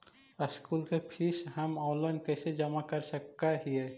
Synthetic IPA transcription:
əskuːlkepʰisɦɐmɔːlənkɛːsed͡ʒɐmakɐɾsəkːaɦiɛː

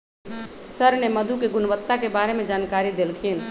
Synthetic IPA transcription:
səɾneməd̪ʱukeɡʊnʋət̪ːakebaɾemed͡ʒankaɾid̪elkʰin

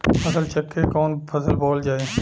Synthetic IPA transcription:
ɐsəlt͡ʃɐkːekɔːnpʰɐsəlbɔːld͡ʒaːeː

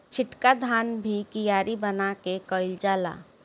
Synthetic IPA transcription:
t͡ʃʰɪʈkad̪ʱaːnbʱikɪjaːɾibənakekɔːɪld͡ʒaːla̰ː

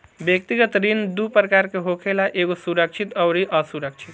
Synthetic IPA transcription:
bjək̚t̪iɡət̪ɾind̪upɾəkaɾkeɦokʰelaʔeɡosuɾək̚t͡ʃʰit̪əwɾiʔəsuɾək̚t͡ʃʰit̪

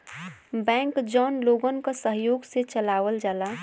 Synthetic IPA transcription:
bɛ̃ːŋkd͡ʒɔːnloːɡənkasəɦjoːɡset͡ʃəlaːʋəld͡ʒaːla

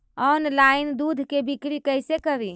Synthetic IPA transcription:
ɔnlaind̪ud̪ʱkebʱikɾikəjsekəbi

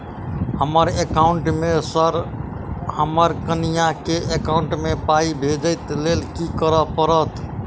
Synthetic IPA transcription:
həməɾekauɳʈmesəɾ | həməɾkənijakeʔekaʊɳʈmepaibʱed͡ʒəɪt̪lelkikəɾəpəɾət̪

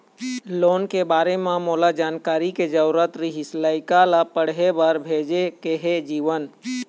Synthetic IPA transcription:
loːnkebaːɾemãmoːlad͡ʒaːnkaːɾiked͡ʒəɾɾət̪ɾiɦɪslaːɪkalapəɽɦebəɾbʱeːd͡ʒekeɦed͡ʒiːʋən

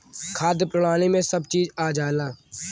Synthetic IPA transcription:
kʰaːd̪pɾəɳaːniːmẽsəbt͡ʃiːzaːd͡ʒaːlaː

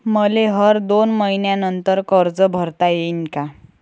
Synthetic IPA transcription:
məleɦəɾd̪onməinjanənt̪əɾkəɾd͡zəbʱəɾt̪ajenka

